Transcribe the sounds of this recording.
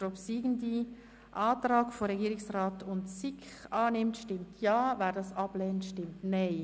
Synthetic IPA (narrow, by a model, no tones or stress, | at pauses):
ɔpsiːɡən̩di | ʔɑːtrɑːɡ̥foɾɛɡiːɾɪksraːtʊntsikχɑːnɪmtʃtɪmtʰjɑːvæːɾdɑsɑb̥lɛːntʃtɪmtnaɪ